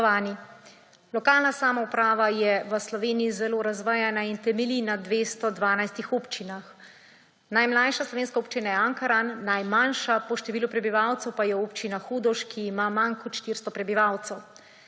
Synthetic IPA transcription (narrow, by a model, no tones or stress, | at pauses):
ʋaːni | lɔkaːlnasaːmaupɾaːʋajɛʋəslɔʋeːnijizɛloːɾazʋajanaint̪ɛmɛlinad̪ʋeːst̪ɔd̪ʋaːnajst̪ixoːpt͡ʃinax | najmlajʃaslɔʋeːnskaoːpt͡ʃinajɛaŋkaɾanːajmanʃapɔʃt̪ɛʋiːlupɾɛbiʋawt̪sɛwpajɛoːpt͡ʃinaxuːd̪ɔʃkʰiːmamaŋkɔt̪ʃt̪iɾst̪ɔpɾɛbiʋawt̪sɛw